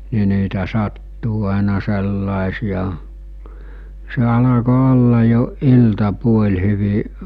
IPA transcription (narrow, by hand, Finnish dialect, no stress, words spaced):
ni niːtæ sɑtːuː ɑˑenɑ selːɑˑesijɑ se ɑlɑko olːɑ jo iltɑpuolʲ hyʋi